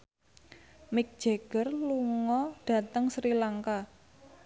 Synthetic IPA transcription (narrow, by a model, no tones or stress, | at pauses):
mɪk̚d̥ʒ̥e̤ɡ̥ərluŋɔɖ̥ä̤t̪əŋsɾilaŋka